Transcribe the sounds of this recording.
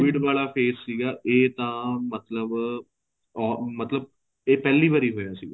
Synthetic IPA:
ʋɪɖʋaːlaːpʰeːsːiːɡaːʔeːt̪ãːmət̪ləb | ɔːmət̪ləb̚ | eːpɛːliːbaːɾiːɦoːjaːsiːɡaː

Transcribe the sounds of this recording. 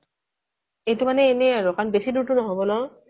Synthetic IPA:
ejtʊmanɛːnɛaɹɔkʰanbesiduɹtʊnɔɦobɔlɔ

